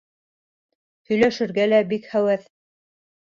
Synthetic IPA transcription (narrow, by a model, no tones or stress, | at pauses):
hɵ̆jlæʃɘ̆ɾɡælæbikχæwæθ